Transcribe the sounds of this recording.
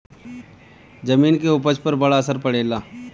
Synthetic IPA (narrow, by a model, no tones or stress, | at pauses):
d͡ʒɐmiːnkeupət͡ʃpɐɾbɐɽaɐsəɾpɐɽeːlaː